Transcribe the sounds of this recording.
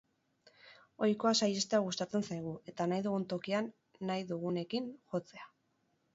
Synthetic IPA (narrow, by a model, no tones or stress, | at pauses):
o̞jko̞asaje̞st̪e̞aɣ̞ust̪at͡se̞nsajɣ̞ue̞t̪anajðuɣunt̪o̞kianː | ajðuɣ̞une̞kinxo̞t͡se̞a